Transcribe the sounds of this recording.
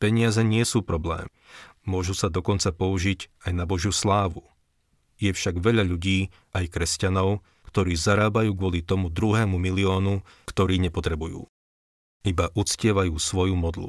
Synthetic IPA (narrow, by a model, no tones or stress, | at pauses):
pɛɲɪazɛɲɪɛsuːpɾɔblɛ̰ːmː | ʊɔʒusad̪ɔkɔnt͡sapɔuʒiɟajnabɔʒjuslaːʋu | jɛfʃaɡʋɛʎaʎuɟiː | ʔajkɾɛscanɔʊ | kt̪ɔɾiːzaɾaːbajuːɡʊɔlit̪ɔmud̪ɾuɦɛːmumiliɔːnu | kt̪ɔɾiːɲɛpɔt̪ɾɛbujṵː | ibaʔut͡scɪɛʋajuːsʋɔjumɔd̪lṵ